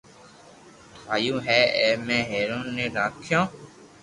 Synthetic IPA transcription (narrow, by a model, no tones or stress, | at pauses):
t̪aːjũːɦɛːeːmɛ̃ːɦeːɾoːnːeːɾaːkʰjõː